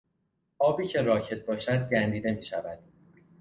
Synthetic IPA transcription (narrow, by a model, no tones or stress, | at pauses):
ʔɒːbiːcʰe̞ɾɒːcʰe̞t̪̚ʰbɒːʃæd̪ɟænd̪iːd̪e̞miːʃævæd̪̥